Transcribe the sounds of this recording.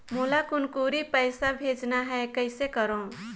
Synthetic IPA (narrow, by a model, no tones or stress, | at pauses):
molakʊnkuɾipəɪsabʱeːd͡ʒnaɦɛkəɪsekəɾõ